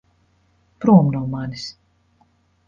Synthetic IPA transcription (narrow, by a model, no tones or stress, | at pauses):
pɾuɔmnawmanis